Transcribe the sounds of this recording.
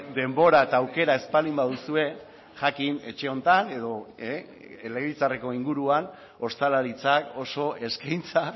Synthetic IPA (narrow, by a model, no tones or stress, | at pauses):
d̪e̞mbo̞ɾaet̪aːwke̞ɾae̞spalimbaðusue̞ | ʝakine̞t͡ʃe̞o̞nt̪ane̞ðo̞e | eleɣit͡sare̞ko̞iŋɡuɾuan | o̞st̪alaɾit͡sako̞so̞ʔe̞skajnt͡sa